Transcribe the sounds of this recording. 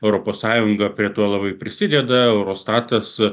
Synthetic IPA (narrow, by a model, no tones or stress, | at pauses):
ɛʊɾoːpoːssɑːjʊŋɡɐpʲɾʲiɛt̪uɔlˠɐbɐɪpʲɾʲɪsʲɪd̪ʲɛd̪ɐɛʊɾoːst̪ɑːt̪ɐs